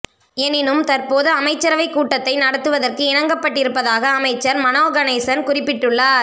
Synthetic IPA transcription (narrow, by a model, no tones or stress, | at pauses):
ɛnɪnɯmt̪ɐrpoːðɯɐmɐɪt͡ʃːɐɾɐʋɐɪkːuːʈːɐt̪ːɐɪnɐɽɐt̪ːɯʋɐðɐrkɯɪnɐŋɡɐpːɐʈːɪɾɯpːɐðaːɣɐːmɐɪt͡ʃːɐɾmɐnoːɣɐnɐɪsɐnkʊrɪpːɪʈːɯɭːaːɾ